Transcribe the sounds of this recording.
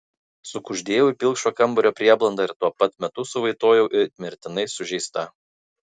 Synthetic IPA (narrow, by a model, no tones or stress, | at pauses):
sʊkʊʒʲd̪ʲeːjɛʊipʲɪlˠkʃoːkɐmˑbɔɾʲoːpʲɾʲiɛblˠɐnd̪ɑːɪɾt̪uɔpɐt̪mʲɛt̪ʊsʊʋɐɪt̪oːjɛʊʔɪɾt̪ʲmʲɪɾʲt̪ʲɪnɐɪsʊʒʲɛɪst̪ɐ